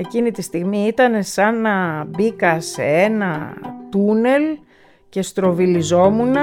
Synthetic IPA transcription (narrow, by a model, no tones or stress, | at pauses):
e̞cinit̪ist̪iɣmiit̪ɐne̞sɐnɐbikɐsḛenɐt̪une̞l | ce̞st̪ɾo̞vilizo̞munɐ